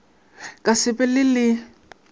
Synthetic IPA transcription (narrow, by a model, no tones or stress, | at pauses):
kʼasɪpʼɛlɪlɪ